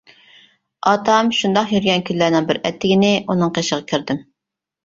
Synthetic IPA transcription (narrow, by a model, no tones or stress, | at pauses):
ɑt̪ʰɑmʃund̪ɑqjyɾɡʲɛnkʲʰynlæɾnɪŋbɪɾɛ̰t̪ʰːɪɡʲɪnɪʔunɨŋqʰeʃəʁɑkʲʰiɾd̪ɪm